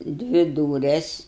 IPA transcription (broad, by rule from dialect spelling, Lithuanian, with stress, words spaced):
ˈdʲʋʲɪ ˈduːrʲɛs